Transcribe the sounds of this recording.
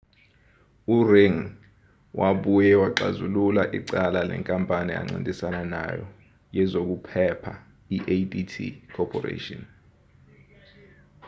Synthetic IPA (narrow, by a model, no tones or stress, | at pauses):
ureŋ | wʔaɓujɛwaǃa̰zululaʔiǀalalɛ̰ŋkʼampʼania̰ŋ͡ǀintʼisanana̰jɔ | jɛzok̬upʰɛpʰa | iʔeditʰḭkʰɔpʰɔrḛtʼɔn